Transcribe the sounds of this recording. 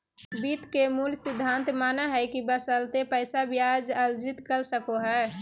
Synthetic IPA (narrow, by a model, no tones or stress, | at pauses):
bit̪kemulsɪd̪ʱːant̪manaɦɛkibəsəlt̪epəɪsabjad͡ʒəld͡ʒɪt̪kəlsəkoɦɛ